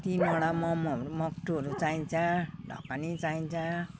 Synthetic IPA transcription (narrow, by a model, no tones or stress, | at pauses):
t̪inɔɽamʌmɾmʌkʈuɦʌɾut͡saĩnt͡sʰaɖʱʌ̰kanit͡saĩnt͡sʰã